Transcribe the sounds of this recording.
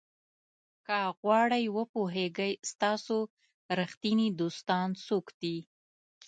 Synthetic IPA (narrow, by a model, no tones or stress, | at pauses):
kaɣwɑɽəjwəpoɦeɡəjst̪ɑso | ɾaxt̪inid̪ost̪ɑnsokd̪̥i